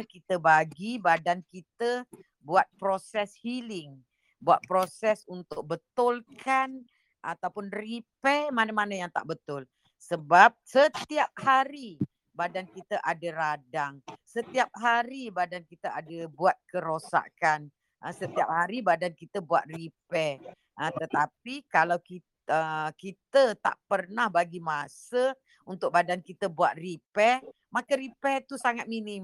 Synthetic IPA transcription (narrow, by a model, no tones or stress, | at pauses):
kit̪əbaɡibadankit̪ə | buat̪̚pɾosɛshilɪŋ | bua̰t̪̚pɾosɛsunt̪ʊk̚bət̪ʊlkʰan | ʔa̰t̪awpʊnripɛmanəmanəjaŋt̪a̰ʔbət̪ʊl | səbap̚sət̪iap̚haɾi | badankit̪əʔadəɾadaŋsət̪iap̚ɦaɾibadankit̪əadəbuat̪̚kəɾosa̰kan | ʔəsət̪iap̚haɾibadankit̪əbua̰t̪̚ripɛ | ʔət̪ət̪ap̚ikalawki | əkit̪ət̪a̰ʔpərnahbaɡimãsə | unt̪ʊk̚badankit̪əbuat̪̚ripɛ | makəɾipɛt̪usaŋat̪̚minɪm